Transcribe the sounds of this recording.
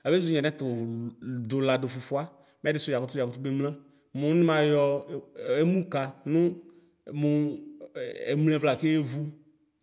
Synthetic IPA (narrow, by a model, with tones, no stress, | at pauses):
a˨be˦zu˨˦ɲɛ̃˨nɛ̃˦t̪o˨d̪o˨la˨do˨fu˨fu˦a˦ | mɛ˦dɪ˦sʊ˦ja˨ko˦t̪ja˨ku˦t̪u˦e˦mlã˦ | mũ˨˦nĩ˦mã˨jɔ˨˦e˦mũ˦ka˨nʊ̃˦ | mũ˨ | e˨mlɛ̃˨vla˨ke˦e˦vu˦